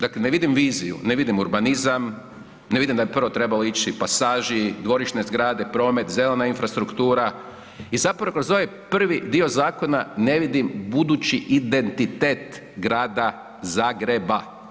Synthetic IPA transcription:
d̪akleneʋid̪imʋiːzijṵne̞ʋid̪imuɾbanizam | ne̞ʋid̪imd̪abipr̩ʋo̞t̪ɾe̞baloit͡ʃipasaːʒid̪ʋo̞ɾiʃne̞zɡɾaːd̪e̞pɾo̞ːme̞t̪zelenainfɾast̪ɾukt̪uːɾa | izapoɾokɾozoʋepr̩ʋid̪io̞zaːko̞nane̞ʋid̪imbud̪ut͡ʃiʔid̪e̞nt̪it̪eːt̪ | ɡɾaːd̪a | zaːɡɾe̞ba

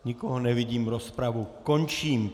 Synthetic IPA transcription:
ɲikɔɦɔnɛʋiɟiːmɾɔspɾaʋukɔɲt͡ʃiːm

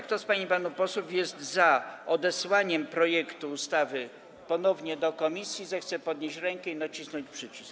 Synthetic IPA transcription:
kt̪ɔspaɲipanupɔswufjɛst̪zaɔd̪ɛswaɲɛmpɾɔjɛkt̪uːst̪avɘ | pɔnɔvɲɛd̪ɔkɔmʲisʲjizɛxt̪sɛpɔd̪ɲeɕɾɛŋkɛinat͡ɕisnɔɲt͡ɕpʂɘt͡ɕisk

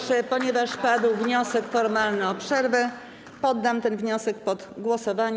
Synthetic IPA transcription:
ʂɛpɔɲɛvaʂpad̪wvɲɔsɛkfɔɾmalnɘɔpʂɛɾvɛ | pɔd̪ːamt̪ɛnvɲɔsɛk̚pɔd̪ɡwɔsɔvaɲ

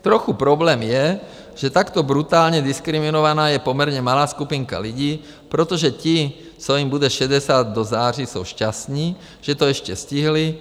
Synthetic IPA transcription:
t̪ɾɔxupɾɔblɛːmjɛ | ʒ̥ɛt̪akt̪ɔbɾut̪aːlɲɛd̪iskɾiminɔʋanaːjɛpɔmɛɾɲɛmalaːskupiŋka̰liɟiː | pɾɛt̪ɔʒɛci | sɔimbud̪ɛʃɛɟɛsaːd̪̚ːɔzaːrisɔʊʃcast̪niː | ʒ̥ɛt̪ɔɛʃcɛsciɦli

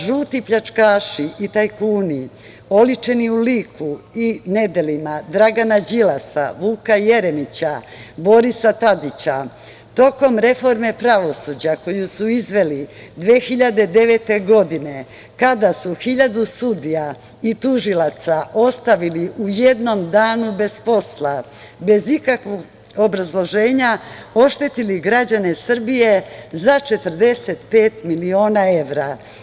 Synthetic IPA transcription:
ʒuːt̪ipʎat͡ʂkaːʃiʔit̪ajkuːni | o̞lit͡ʃe̞niuliːkʰuine̞d̪e̞limad̪ɾaɡanad͡ʑilasa̰ʋuːkaje̞ɾe̞nit͡ɕabo̞ɾisat̪ad̪it͡ɕa | t̪o̞ko̞mɾe̞fo̞ɾme̞pɾaʋo̞suːd͡ʑako̞jusuizʋe̞lid̪ʋeːxiʎad̪e̞d̪e̞ʋe̞t̪e̞ɡo̞d̪ine̞ | kad̪asuxiʎad̪usud̪ija | it̪uʒilat̪sao̞st̪aʋiliʔuje̞d̪no̞md̪aːnube̞spo̞slˠa | be̞zikakʋoɡ | o̞bɾazlˠo̞ʒe̞ːɲao̞ʃt̪e̞t̪iliɡɾad͡ʑane̞sr̩bije̞zat͡ʃe̞t̪r̩d̪e̞se̞t̪pe̞ːt̪milio̞ːnae̞ʋɾa

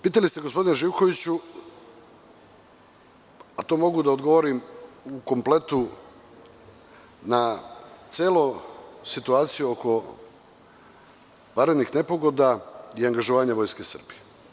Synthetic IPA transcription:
piːt̪alist̪eɡo̞spo̞d̪ineʒiːʋkoʋit͡ɕu | at̪o̞ːmo̞ɡud̪aod̪ɡo̞ʋo̞ɾimuko̞mple̞t̪u | nat̪sʲjeːlosit̪uaːt̪sijuoko̞ | ʋaɾed̪nixne̞po̞ɡo̞d̪aiaŋɡaʒoʋaːɲaʋo̞jske̞sr̩bie

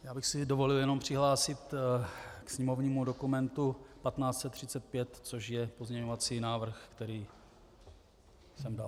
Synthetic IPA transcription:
jaːbɪxsɪdovo̞lɪljɛno̞mpr̝̥ɪɦlaːsɪt̪ | ksɲɛmovɲiːmudo̞kumɛnt̪upat̪naːt͡st̪t͡sɛt̪ːr̝̥ɪt͡sɛt̪̚pjɛt̪t͡so̞ʃjɛpo̞zɲɛɲovat͡siːnaːvr̩xkt̪ɛɾiː | sɛmda̰l

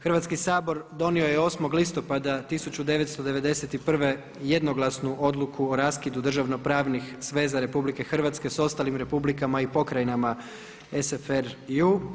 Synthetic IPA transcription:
xr̩ʋat̪skisaːbo̞ɾd̪o̞nio̞jeo̞smo̞ɡlist̪o̞pad̪at̪isut͡ɕud̪e̞ʋe̞t̪st̪od̪e̞ʋe̞d̪e̞se̞t̪ipr̩ʋe̞ | je̞d̪no̞ɡlˠasnuʔo̞d̪lˠukʰuoɾaskid̪ud̪r̩ʒaʋno̞pɾaːʋnixsʋe̞ːzaɾe̞publike̞xr̩ʋat̪ske̞so̞st̪alimɾe̞publikamaipo̞kɾajinama | esefeɾu

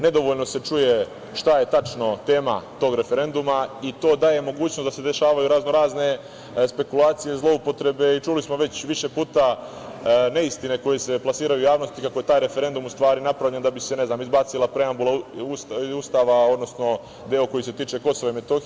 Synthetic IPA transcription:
ne̞d̪o̞ʋoʎno̞se̞t͡ʃuje̞ | ʃt̪aje̞t̪at͡ʃno̞t̪e̞ːmat̪o̞ːɡɾe̞fe̞ɾe̞nd̪umait̪o̞ːd̪aːje̞mo̞ɡuːt͡ɕnosd̪ase̞d̪e̞ʃaːʋajuɾazno̞ɾaːzne̞ | spe̞kulaːt̪sije̞zlˠo̞upo̞t̪ɾe̞be̞it͡ʃuːlismo̞ʋe̞t͡ɕʋiʃe̞puːt̪a | ne̞ist̪ine̞ko̞jese̞plˠasiːɾajujaːʋno̞st̪ikako̞je̞t̪aːjɾe̞fe̞ɾe̞nd̪umust̪ʋaːɾinapɾavʎe̞nd̪abise̞ne̞znaːmizbaːt̪silˠapɾe̞ambulausust̪aːʋao̞d̪nosno̞ | d̪eoko̞jise̞t̪iːt͡ʃe̞ko̞soʋaime̞t̪o̞x

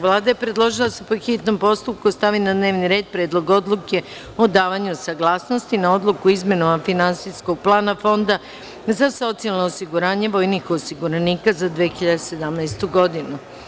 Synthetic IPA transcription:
ʋlˠaːd̪ajepɾe̞d̪lˠo̞ʒilˠasepoxit̪no̞mpo̞st̪up̚kust̪aʋinad̪ne̞ːʋniɾe̞ːd̪̚pɾeːd̪lˠo̞ɡo̞d̪lˠuke̞ | od̪aːʋaɲusaɡlˠaːsno̞st̪inao̞d̪lˠukuizme̞nomafinansiskoɡ̚plˠaːnafo̞nd̪a | zaso̞t̪sialˠnoːsiɡuɾaːɲe̞ʋo̞jnixosiɡuɾaniːkazad̪ʋexiʎad̪ese̞d̪amnɛjst̪uɡo̞d̪inu

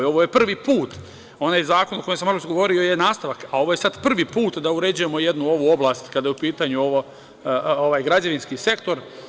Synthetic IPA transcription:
o̞ʋoje̞pr̩ʋipuːt̪ | o̞naːjzaːko̞noko̞jemsamolt͡ʃɡoo̞ɾio̞jenaːst̪aʋakao̞ʋoje̞sad̪pr̩ʋipuːt̪d̪auɾed͡ʑujemo̞jed̪nuo̞ʋuːo̞blaːst̪kad̪ajupiːt̪aɲuo̞ʋo | oʋaːjɡɾad͡ʑaʋinskise̞kt̪o̞ɾ

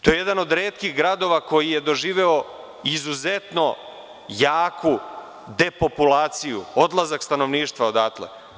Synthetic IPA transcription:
t̪ojejed̪ano̞d̪ɾeːt̪kiɣɡɾad̪o̞ʋako̞jije̞d̪o̞ʒiːʋe̞o̞ | izuzet̪no̞ | jaːkʰu | d̪e̞po̞pulaːt̪sijuo̞d̪lˠazakst̪ano̞ʋniːʃt̪ʋao̞d̪at̪lḛ

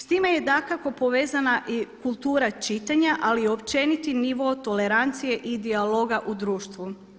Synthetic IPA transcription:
st̪ime̞je̞d̪akako̞po̞ʋe̞ːzanaʔikulˠt̪uːɾat͡ʃit̪aɲaʔalio̞pt͡ʃe̞nit̪iniʋo̞ːt̪o̞le̞ɾant̪sije̞ʔid̪ialo̞ɡaʔud̪ɾuːʃt̪ʋu

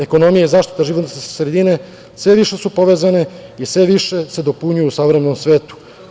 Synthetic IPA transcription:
eko̞no̞mijaizaːʃt̪i̥t̪aʒiʋot̪nssɾe̞d̪ine̞ | sʋe̞ʋiʃe̞supo̞ʋe̞ːzane̞isʋe̞ʋiʃe̞se̞d̪o̞puɲujuusaʋɾemeno̞msʋe̞ːt̪u̥

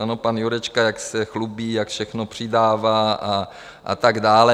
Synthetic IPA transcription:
anopanjuɾɛt͡ʃkajaksɛxlubiːjakfʃɛxnopr̝̥ɪdaːvaːʔa | ʔa̰t̪aɡdaːlɛ

